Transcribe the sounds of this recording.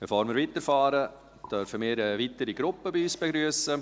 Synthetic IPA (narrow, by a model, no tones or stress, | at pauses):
b̥ɛfoːɾmɪːɾʋitəɾfɑːɾə | d̥œɾfəmɪːɾəʋitəɾiɡɾʊpːəbiyːsb̥ɛɡɾyəsə